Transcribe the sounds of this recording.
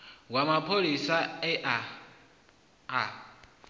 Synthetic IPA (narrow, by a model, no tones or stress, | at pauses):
wamapʰolisaɛʔa | a